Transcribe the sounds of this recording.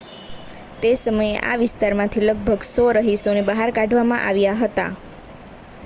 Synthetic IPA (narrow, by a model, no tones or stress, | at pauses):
t̪esəməjeʔa̰ʋɪst̪aɾmãt̪ʰiləɡ̚bʱəɡsɔɾəɦisonebəɦaɾkãɖʱʋamã̰ʔaʋjaɦət̪a̰